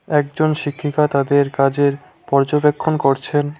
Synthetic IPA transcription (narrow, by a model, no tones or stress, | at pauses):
ɛk̚d͡ʑonʃikʰːikat̪ad̪eɾkad͡ʑeɾ | pɔɾd͡ʑobekʰːonkoɾt͡ɕʰen